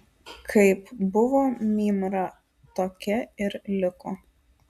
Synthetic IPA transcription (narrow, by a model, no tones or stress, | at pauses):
kʰɐɪpbʊʋoːmʲiːmɾɐ | t̪oːkʲɛɪɾlʲɪko